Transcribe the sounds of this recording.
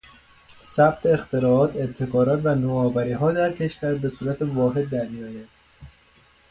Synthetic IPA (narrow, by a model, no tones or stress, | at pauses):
sæb̚t̪ʰeːxt̪ʰe̞ɾɒːt̪ʰet̪ʰːe̞kʰɒːɾɒːt̪vænoːɒːvæɾiːɦɒːd̪æɾcʰe̞ʃvæɾbe̞suːɾæt̪ʰevɒːɦe̞d̪ːæɾmijɒːjæd̪̥